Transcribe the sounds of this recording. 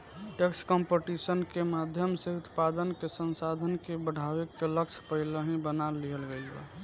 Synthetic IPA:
ʈekskəmpeʈisənkemad̪ʱjəmseut̪pad̪ənkesənsad̪ʱənkebəɽ̤ʱawekːeləkt͡ʃʰpəɦɪləɦĩbənalːiɦəlɡelḛ

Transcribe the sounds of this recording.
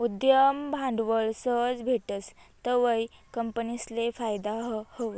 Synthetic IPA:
ud̪jəmbʱãɳɖʋəɭsəd͡zbʱeʈət͡st̪əʋəjkəmpənislefajd̪aɦhoʋə

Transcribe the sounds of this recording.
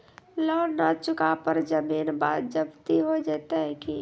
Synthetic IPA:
lɔːnat͡ʃʊkapəɾd͡ʒəmiːnba̰ːd̪̚d͡ʒəbt̪iɦod͡ʒaːt̪aɦɛki

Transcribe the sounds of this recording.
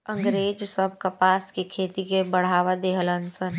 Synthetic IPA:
ə̃ŋɡɾeːd͡ʒsəbʱkɐpaːskekʰeːt̪ikebəɽ̤aːʋad̪eːɦələnsən

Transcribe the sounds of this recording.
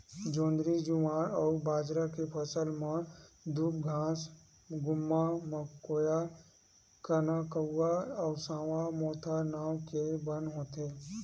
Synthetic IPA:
d͡ʒõːnd̪ɾid͡ʒʊʋãːnɔːɾbaːd͡ʒɾakepʰəsəlmãd̪upɡʱãːs | ɡʊmːaməkːoːja | kənakəːaɔːsãːwamɔːt̪ʰanaːwkebənɦõːt̪eː

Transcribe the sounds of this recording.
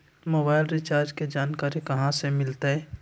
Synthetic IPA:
moːbaːɪlɾɪt͡ʃaːɾd͡ʒked͡ʒaːnkaːɾikɐɦãsemɪlt̪aɦɛ

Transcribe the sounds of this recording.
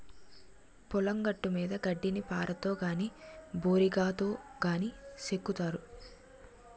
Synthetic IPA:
pɔlɐŋɡɐʈːumiːd̪ɐɡɐɖːinipaːɾʔɐt̪oːɡaːniboːɾiɡaːt̪o̞ːɡaːnisekːut̪aːɾu

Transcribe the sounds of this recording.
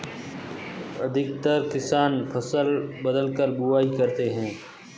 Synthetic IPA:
ɐd̪ʱɪkt̪əɾkɪsaːnpʰɐsəlbəd̪əlkəɾbuaːikɐɾt̪eɦɛ̃ː

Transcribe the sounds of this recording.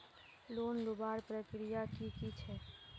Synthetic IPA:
loːnɾʊbaɾpɾəkɾijakikit͡ʃʰɛ

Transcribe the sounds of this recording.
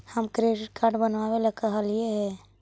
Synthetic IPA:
həmkɾeɖɪʈkaːɾɖbənʋawelakəɦəlieɦɛː

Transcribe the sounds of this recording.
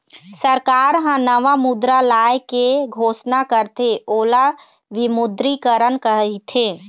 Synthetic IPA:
səɾkaːɾɦə̃nəʋamʊd̪ɾalaːjkeɡʱoːsnakəɾt̪eoːla | ʋɪmʊd̪ɾikəɾənkəit̪ʰeː

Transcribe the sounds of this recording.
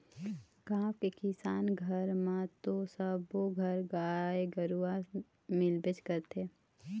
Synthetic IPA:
kãːfkekɪsaːnɡʱəɾmãt̪osəboɡʱəɾɡaːeɡəɾua | mɪlbɪt͡ʃkəɾt̪ʰeː

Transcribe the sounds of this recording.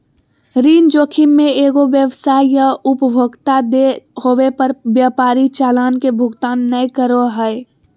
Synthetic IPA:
ɾiːnd͡ʒoːkʰinmẽeːɡoʋjəʋsaːijaʊpəbʱoɡt̪ad̪ehoːwepəɾbjaːpaːɾit͡ʃaːlaːnkebʱʊɡt̪aːnːəjkəɾoɦəe

